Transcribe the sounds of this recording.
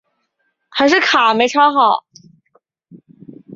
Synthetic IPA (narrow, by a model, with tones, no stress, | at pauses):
xa˧˥ɪʂ̬ɻ̩˥˩kʰa˨˩me˧˥ɪʈ͡ʂʰɑ˥ʊxɑ˨˩˦ʊ